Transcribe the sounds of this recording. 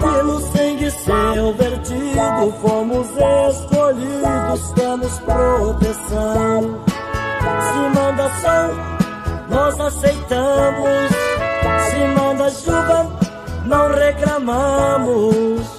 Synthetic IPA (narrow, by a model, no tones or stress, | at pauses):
kɪnʊ̃st̪ẽj̃kɪseveɾt͡ʃid̪ʊfomʊzeskoʎid̪ʊskɐ̃mʊspɾot̪esɐ̃w̃ | sɪmɐ̃nd̪ɐsɐ̃w̃ | nɔzasejt̪ɐ̃mʊsː | ɪmɐ̃nd̪ɐʒuvɐ | nɐ̃w̃reklɐmɐ̃mʊs